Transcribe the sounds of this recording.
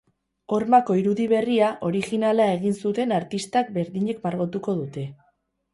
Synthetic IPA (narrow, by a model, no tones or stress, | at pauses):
o̞ɾmako̞iɾuðiβ̞e̞riaʔo̞ɾixinalae̞ɣ̞insut̪e̞naɾt̪ist̪ak̚be̞ɾðiɲe̞kmaɾɣot̪uko̞ðut̪e̞